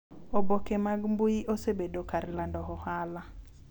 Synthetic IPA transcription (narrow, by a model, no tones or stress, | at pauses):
obokemaɡmbuiʔosebedokaɾlandɔɦɔhala